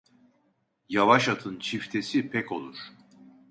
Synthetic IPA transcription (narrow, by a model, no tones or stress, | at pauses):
javaʃat̪ʰɯnt͡ʃʰift̪ʰe̞sipʰɛco̞̰lˠuɾ̥